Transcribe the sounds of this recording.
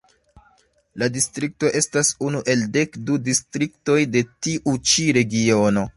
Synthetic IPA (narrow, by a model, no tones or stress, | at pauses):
ladistɾik̚to̞ʔe̞stasunuʔe̞lde̞kdudistɾik̚to̞jde̞tiʔut͡ʃiɾe̞ɡio̞no̞